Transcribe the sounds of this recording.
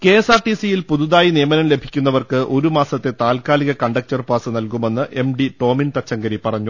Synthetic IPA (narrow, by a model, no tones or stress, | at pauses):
ke̞ːsaːrʈisijilpuðuðaːjinijɐmɐnɐmle̞bʱi̥kʲːunːɐʋɐrkɨʔo̞ɾumaːsɐt̪ːe̞t̪aːlkaːliɣɐkɐɳɖɐk̚t͡ɕɐrpaːsɨnɐlkume̞nːɨʔe̞mɖiʈo̞ːmint̪ɐt͡ɕːɐŋɡɐɾipɐrɐɲːu